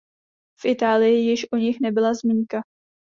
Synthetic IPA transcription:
fʔɪt̪aːlɪjɪjɪʃʔoɲɪxnɛbɪlazmiːŋka

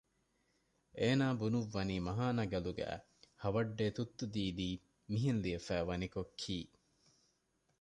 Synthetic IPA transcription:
ʔeːnaːbunuʋːɐniːmɐɦaːnɐɡɐluɡæ̰ː | hɐʋɐɖːeːt̪ut̪ːud̪iːd̪iː | miɦenliɐfæːʋɐnikokʰːiː

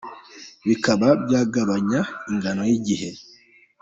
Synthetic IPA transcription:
βikaβabjaːɡaβaɲaiŋɡano̞jiɟihe̞

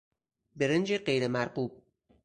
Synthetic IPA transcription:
beɾend͡ʒeɢejɾemæɾɢuːb̚

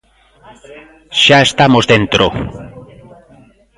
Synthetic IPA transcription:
ʃaest̪amozðent̪ɾo̰

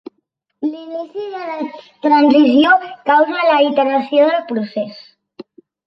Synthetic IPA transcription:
linisiðəlat̪ɾanzizjokawzalait̪eɾasjoðelpɾuses

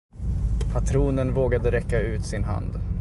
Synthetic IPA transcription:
pʰat̪ʰɾuːnənvoːɡad̪əɾɛkːaʉ̟ːt̪sɪnɦa̰nd̪

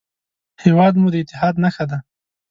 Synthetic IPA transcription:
hewɑd̪mud̪əɪt̪ːɪɦɑd̪naxad̪a

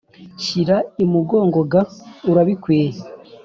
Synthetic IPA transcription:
ʃiɾaimuɡo̞ːŋɡo̞ɡauɾaβikweːje

